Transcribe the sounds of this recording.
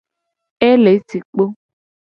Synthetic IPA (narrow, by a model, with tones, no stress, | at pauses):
e˦le˨˦ti˨k͡po˦